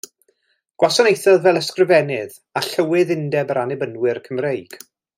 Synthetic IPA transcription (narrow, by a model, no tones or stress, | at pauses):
ɡ̥wasɔnejθɔðvɛlˠəskrɪvɛnɪð | aɬəwɪðɪndɛbəɾanɪbənwɪrkʰəmrejɡ̥